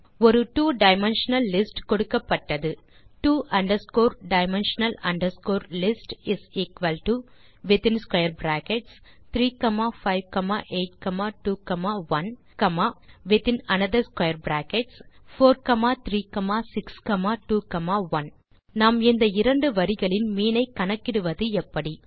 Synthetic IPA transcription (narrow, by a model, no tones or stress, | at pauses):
ɔɾɯʈuːɖɐɪmɛnʃɐnɐlːɪsʈkɔɽɯkːɐpːɐʈːɐðɯʈuːʔɐɳɖɐɾskoːɾɖɐɪmɛnʃɐnɐlɐɳɖɐɾskoːɾlɪsʈɪsiːkʋɐlʈu | ʋɪt̪ɪ̃nskwɐɪɐɾbɾaːkɛʈs | t̪ɾiːkɐmaːfɐɪʋkɐma̰ːʔeːʈ̚kɐmaːʈuːkɐmaːʋɐn | kɐmaːʋɪt̪ɪnɐnɐðɐɾskwɐjɐɾbɾaːkɛʈsfoːɾkɐmaːt̪ɾiːkɐmaːsɪkskɐmaːʈuːkɐmaːʋɐn | naːmɪnd̪ɐɪɾɐɳɖɯʋɐɾɪɣɐɭɪnmiːnɐɪkɐnɐkːɪɽɯʋɐðɯɛpːɐɽi